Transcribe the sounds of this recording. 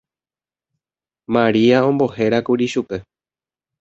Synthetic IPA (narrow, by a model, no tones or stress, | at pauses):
mãɾiaõ̞mbo̞he̞ɾakuɾiʃupe̞